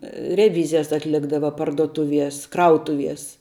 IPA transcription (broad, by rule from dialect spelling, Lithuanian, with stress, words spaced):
rʲɛˈʋʲiːzʲɪjɛs ɐtʲˈlʲɪɡdɐʋɐ pɐrduɔˈtʊʋʲiɛs ˈkrɐʊtʊʋʲiɛs